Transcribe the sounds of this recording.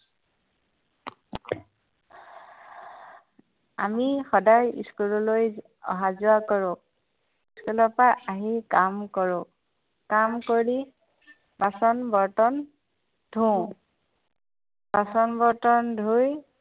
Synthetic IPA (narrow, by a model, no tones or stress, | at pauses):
a̰mixɔdajḭskulɔloj | ɔ̰ɦazʊakɔɹʊ̃ | iskulɔpaaɦikamkɔɹʊ̃ | kamkoɹi | basɔnbɔɹtɔn | d̥ʱũ | b̥asɔnbɔɹtɔndʱuj